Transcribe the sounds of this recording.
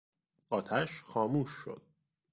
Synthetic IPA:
ʔɒːt̪ʰæʃxɒːmuːʃːo̰d̪̥̚

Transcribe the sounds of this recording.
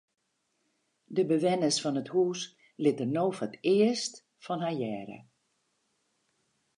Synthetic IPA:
dəbəʋɛnəsfɔnəthuːs | lɪtərnowfɔtɪəst | fɔnɦajɛːɾə̰

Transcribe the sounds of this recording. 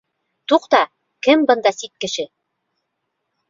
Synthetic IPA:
t̪uqt̪ɑ | kɘmbɤ̆nd̪ɑsit̪̚kɘ̆ʃɘ

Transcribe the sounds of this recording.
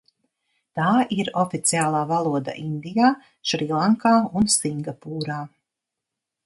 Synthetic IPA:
t̪aːʔiɾɔfit̪siaːlˠaːvalˠuɔd̪a̰ʔind̪ijaː | ʃɾilˠaŋkaːunsiŋɡapuːɾaː

